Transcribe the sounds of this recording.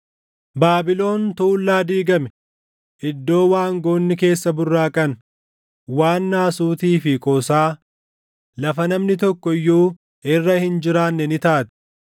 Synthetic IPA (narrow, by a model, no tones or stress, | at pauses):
baːbɪlo̞ːnt̪uːlːaːd̪iːɡɐmɛ | ʔɪd̪ːo̞ːwaːŋɡoːnːɪke̞ːsːɐbʊrːaːkʼɐn | waːnːaːsuːt̪iːfɪkʼɔːsaː | lɐfɐnɐmnɪt̪ɔkːɔjːuː | ɪrːɐhɪnd͡ʒɪɾaːnːɛnɪt̪aːt̪ɛ̥